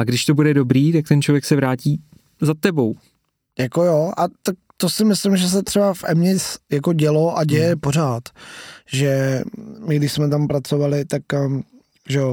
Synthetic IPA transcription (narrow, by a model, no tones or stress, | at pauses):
aɡdɪʃt̪obudɛdobɾiːt̪ak̚t̪ɛnt͡ʃlovjɛksɛvɾaːciː | zat̪ɛbo̞w | jako̞joʔat̪ak̚t̪o̞sɪmɪslɪmʒɛs̬ɛt̪r̥ɛbafʔɛmɲɪt͡sjako̞ɟɛloʔaɟɛjɛpo̞r̝aːt̪ʒɛmɪɡdɪʃsmɛt̪̬ampɾat͡so̞valɪt̪ak | ʒɛo